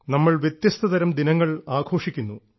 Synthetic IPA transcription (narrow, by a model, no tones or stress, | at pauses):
nɐmːɐɭʋjet̪jɐst̪ʰɐd̪ɐɾɐmd̪inɐŋːɐɭaːɡʰʱo̞ːʂikʲːunːu